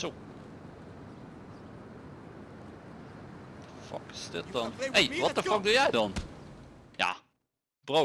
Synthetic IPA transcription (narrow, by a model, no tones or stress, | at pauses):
o | təfɑ̰kɪsdɪt̚dɑnejʋɑtəfɑk̚dujɛjdɑn | ja̰ː | b̥ro